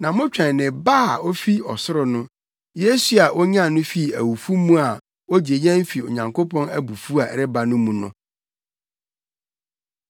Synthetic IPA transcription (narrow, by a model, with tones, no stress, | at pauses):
nã˨mʊ̃˦t͡ɕᶣɛ̃˨n˨nɪ̃˨baː˦˨o˦fi˦ɔ˨sʊ˦ɾʊ˨nʊ̃˦ | je˦su˦a˨ʔɔ˦ɲ˦ã˦˨nʊ̃˦fi˦˨æ˨wu˨fu˦mũ˦a˨ | wo˦d͡ʑe˨ɲɛ̃˦m˦fi˨o̰˨ɲã˨ŋkʰo˦pʰɔ̃˦næ˦bu˨fu˦a˨ɾɪ˦ba˨nʊ̃˦mũ˨nʊ̰̃˦